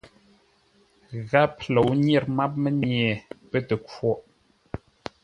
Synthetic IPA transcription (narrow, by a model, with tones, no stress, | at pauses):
ɣa˦plo˨wɲjɛ˦˨ɾma˦p̚mə˦ɲjɛ˨pə˦tə˨kwɔ˦ʔ